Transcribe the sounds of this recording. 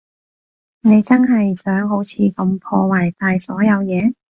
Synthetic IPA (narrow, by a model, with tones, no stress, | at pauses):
ne˨˧jt͡sɐ˥nɦɐ˨jsœː˨˥ŋɦo˨˥wt͡sʰiː˨˧kɐ˧mpʰɔ̰ː˧waː˨˩jt̪aː˨jsɔː˨˥jɐ˨˧wjɛː˨˧